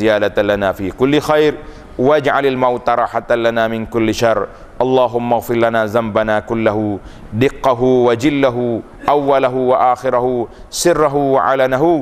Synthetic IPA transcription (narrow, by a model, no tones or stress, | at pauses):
ɪjaːd̪at̪lanaːfiːkʊlːɪxajɾ | waʔad͡ʒʕalalmawt̪aɾˤɑːħat̪alanaːmɪnkʊlːɪʃɑrˤː | ʔɑlˤːɑːɦʊmːaɣfɪɾlanaːzambanaːkʊlːaɦʊ | d̪ɪqːɑɦuwad͡ʒɪlːaɦu | ʔawːalaɦʊwaʔaːxɪɾahu | sɪrːaɦuwaʕa̰lanaɦʊ